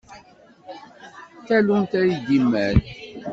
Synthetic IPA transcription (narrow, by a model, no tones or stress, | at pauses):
tælunt̪æidimːæθ